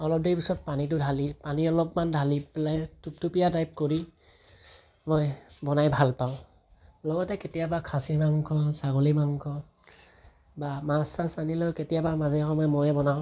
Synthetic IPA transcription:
ɔlɔp̚dejpisɔt̚panit̬ʊdʱalipaniɔlɔpmandʱaliplajtup̚tupijadajp̚koɹi | mɔjbɔnajbʱalpaʊ̃ | lɔɡɔtɛketijabakʰasimaŋkɔsaɡolimaŋkɔ | bamasasanilɔjketijabamazɛxɔmɔjmɔjɛbɔnaʊ̃

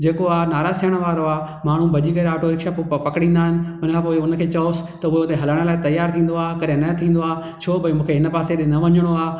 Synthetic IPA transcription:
d͡ʑeːkoaːnaːɾaːsiəɽ̃əʋaːɾoaː | maːɳ̤ũbʱɐʄikɐɾaːʈʰoɾɪkʃappɐkɽĩːnd̪aːɦɪnɪ̆ʊnəkʰãːpoːɪʊnə̆kʰeːt͡ɕɐosɪ̥̆t̪ɐʊɦeʊt̪eɦɐləɽ̃ə̆laːɪt̪ɐjaːɾt̪ʰĩːn̆d̪oaːkɐɗɦẽnɐt̪ʰĩːn̆d̪oaː | t͡ɕʰoːbɐ̃mũːkʰeɦɪnə̆paːseɗɪ̃nɐʋɐɲəɽ̃oaː

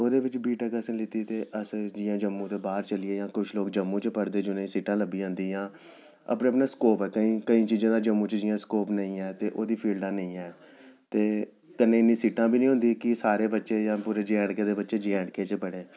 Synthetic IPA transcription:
oːd̪eːʋɪt͡ʃbiːʈaːkəsənlɪt̪iːt̪eːʔəsd͡ʒɪjãːd͡ʒəmːũːt̪eːbaːɾt͡ʃəlɪeːjãːkʊt͡ʃʰloːk̚d͡ʒəmːũːt͡ʃpəɽd̪eːd͡ʒʊnẽĩːsiːʈãːləbiːãːnd̪iːjãː | ə̰pneːəpnaːskoːpɛːkəĩːkəĩːt͡ʃiːzãːd̪aːd͡ʒəmːũːt͡ʃd͡ʒɪjãːskoːpnəĩːɛːt̪eːʔoːd̪iːpʰiːlɖãːnəĩːɛː | t̪eː | kənːẽːɪnːĩːsiːʈãːbʱiːnĩːɦʊ̃nd̪iːkɪsaːɾeːbətːʃeːjãːpuːɾeːd͡ʒɛ̃ːɽkeːd̪eːbətːʃeːd͡ʒɛ̃ːɽkeːt͡ʃpəɽeː

